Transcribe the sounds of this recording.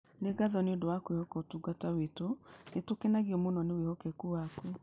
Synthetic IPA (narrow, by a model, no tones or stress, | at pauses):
neɡaðɔneondowakwehɔkɔtuɡatawetonetokenaɣiɔmonɔnewehɔkɛkuwaku